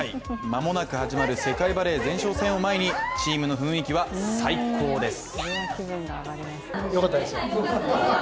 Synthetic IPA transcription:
imamo̞nakɯ̟haʑimaɾɯ̟se̞kaibaɾe̞ːzẽ̞ɰ̃ɕo̞ːsẽ̞o̞mae̞ɲ̟it͡ɕiːmɯ̟no̞ɸɯ̟̃ɰ̃ikʲiβasaikʰo̞ːd̪e̞sɨ̥bɯ̃ŋɡaaɾʲimasjokat̪ːad̪esɨo

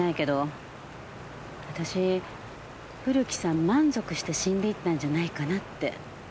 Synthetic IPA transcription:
aike̞d̪o̞ | βat̪aɕi | ɸɯ̟ɾʲɯ̟kʲi̥sãmmãnzo̞kɯ̟ɕi̥t̪e̞ɕĩnd̪e̞it̪ːãɲ̟d͡ʑanaikanat̪ːe̞̰

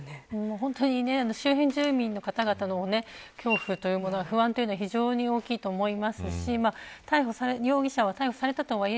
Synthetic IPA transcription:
neɯ̃ːmaɦõ̞nt̪o̞ɲ̟ine̞ano̞ɕɨːɦẽ̞ɲ̟d͡ʑɨːmʲĩnːo̞kat̪aɡat̪ano̞ne̞kʲo̞ːɸɯ̟t̪o̞jɯ̟ːmo̞no̞ɡaɸɯ̟βãnt̪o̞iɯ̟noaçʲiʑo̞ːɲ̟io̞ːkʲiːt̪o̞ːmo̞imasɨɕimat̪aiɦo̞saɾeɾʲo̞ːɡʲiɕaβat̪aiho̞saɾe̞t̪at̪oβaie

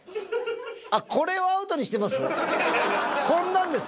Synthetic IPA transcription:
akʰo̞ɾe̞oaɯ̟t̪o̞ɲ̟iɕi̥t̪e̞masɨ | kõ̞nːãnd̪e̞s

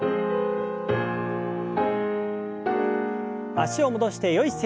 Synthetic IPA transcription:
aɕio̞mo̞d̪o̞ɕi̥t̪e̞jo̞ise

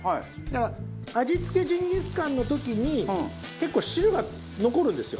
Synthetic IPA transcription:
haid̪aka | ad͡ʑit͡sɨ̥ke̞d͡ʑĩɲɡʲit͡sɨ̥kãnːo̞t̪o̞kʲiɲ̟ĩ | ke̞kːo̞ːɕiɾɯ̟ɡa | no̞ko̞ɾɯ̟̃nd̪e̞sɨjo̞

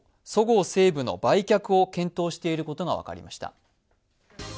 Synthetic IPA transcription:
so̞ɡo̞ːse̞ːbɯ̟no̞̰baikʲakɯ̟o̞kẽ̞nt̪o̞ːɕi̥t̪e̞iɾɯ̟ko̞t̪o̞ɡaβ̞a̰ka̰ɾʲḭmaɕi̥t̪a̰

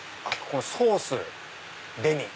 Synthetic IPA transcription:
akʰonosoːsɨ | d̪e̞mʲi

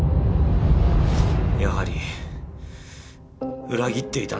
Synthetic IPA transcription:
jaɦaɾi | ɯɾaɡʲit̪͈e̞it̪a

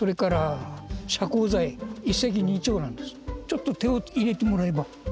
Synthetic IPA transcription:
so̞ɾe̞kaɾaɕakoːzaiisːek̬ʲiɲ̟iːt͡ɕo̞ːnãnd̪e̞sɨ̥t͡ɕo̞t̪ːot̪e̞oiɾe̞t̪e̞mo̞ɾae̞ba

